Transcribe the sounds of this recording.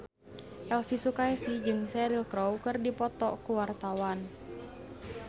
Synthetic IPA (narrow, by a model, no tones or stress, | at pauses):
ʔɛlfisukaɛsid͡ʒɨŋsɛɾilkɾɔwkɨrdipɔt̪ɔkuwart̪awan